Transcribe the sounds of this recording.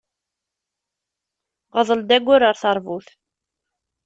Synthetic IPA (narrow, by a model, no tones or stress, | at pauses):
ʁəðˤəld̪æɡʷːʊɾəɾθɑɾˤvuθ